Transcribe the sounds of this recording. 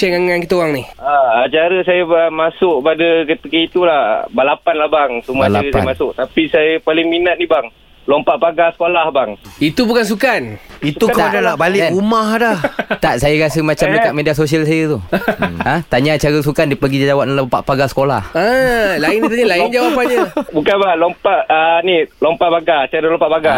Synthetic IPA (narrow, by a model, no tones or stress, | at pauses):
t͡ʃaŋaŋankit̪aowaŋnihaat͡ʃaɾəsajaəmasʊkpadəkət̪ikəit̪ulahbalapanlahbaŋsumalaɾəpja̰masʊk̚t̪apisajəpalɪŋminat̪̚nibaŋ | lompaʔpaɡasə̥kolahbaŋit̪ubukans̬ukanit̪ukt̪aadalabalɪʔumahdaht̪aʔsajaɾasəmat͡ʃamdəkaʔ̪̚medias̬osialsajət̪uãt̪aɲat͡ʃaɾəs̬ukandipəɡid͡ʒd͡ʒawap̚nalompa̰ʔpaɡasə̥kola̰həlaɪŋdit̪aɲalaiŋd͡ʒawapaɲabukanbalɔmpaʔənilompaʔbaɡat͡ʃaɾəlɔmpaʔbaɡa